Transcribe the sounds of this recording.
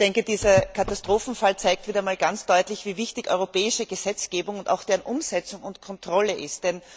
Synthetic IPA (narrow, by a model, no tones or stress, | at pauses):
d̥ɛŋkəd̥iːzɐkʰatastʁ̥oːfn̩falt͡saɪk̚tv̥iːdɐmaːlɡant͡sd̥ɔʏtlɪçv̥iːvɪçtɪçʔɔ̰ʏʁopʰɛːɪʃəɡ̥əz̥ɛt͡sɡ̥eːbʊŋʊnta̰ʊxd̥eːʁənʔʊmz̥ɛt͡sʊŋʊntkʰɔntʁ̥ɔləʔɪstd̥ɛn